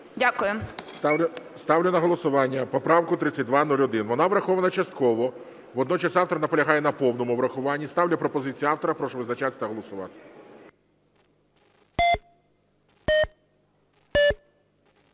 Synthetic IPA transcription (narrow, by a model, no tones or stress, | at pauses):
dʲakʊjʊ | st̪ɑwlʲʊnɐɦɔlˠɔsʊʋɑnʲːɐpɔpɾɑwkʊt̪ɾɪt͡sʲːɐt̚ʲd̪ʋɑnulʲɔd̪ɪnʋɔnɑʋɾɐxɔʋɐnɐt͡ʃɐst̪̚kɔʋɔ | ʋɔd̪nɔt͡ʃɐsɑwt̪ɔɾɐnɐpɔlʲɐɦɑjɛnɐpɔwnɔmʊʋɾɐxʊʋɑnʲːist̪ɑwlʲɐpɾɔpɔzɪt͡sʲijiɑwt̪ɔɾɐpɾɔʃɔʋɪznɐt͡ʃat̪ʲɪ̥t̪ɐɦɔlˠɔsʊʋɑ̰t̪ɪ̥